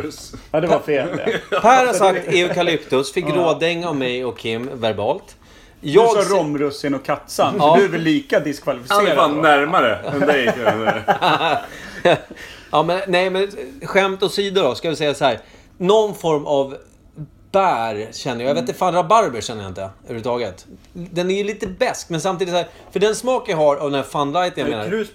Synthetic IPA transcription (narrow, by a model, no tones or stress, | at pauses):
ad̪ɛvafeːlpʰæːɾhaɾsak̚t̪eːɵkalɪpt̪ɵsfɪkːɾoːd̪ɪŋːavmɛjɔkʰːɪmːvæɾbɑːlt̪ | jɑːɡɔɾɔmɾɵsːɪnɔkʰːat̪sanːd̪ʉvɪliːkad̪ɪskʰvalɪfɪsɛfanːæɾmaɾəɛnd̪ɛj | ɑːmɛnnɛjmɛnɧɛmt̪ɔsiːd̪ʊɾdɔskavɪsɛjːasɔhæːɾ | nɔnfɔɾmav | bæːɾɕɛnːəjajavet̪əfanɾabaɾbəɕɛnːəjaɪnt̪əœɾʉt̪ɑːɡət̪ | d̪ɛnæɾjɵliːt̪əbɛskmɛnsamt̪iːd̪ɪshæːɾ | fœɖɛnsmɑːkvɪɦaɾavd̪ɛnæɾfanlajt̪ənjamenaɾ